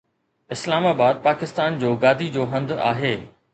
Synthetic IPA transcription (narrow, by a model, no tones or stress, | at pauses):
ɪslaːmaːbaːd̪̚paːkɪst̪aːnd͡ʑoːɡaːd̪ʱid͡ʑoːɦɐ̃nd̪a̰ːɦeː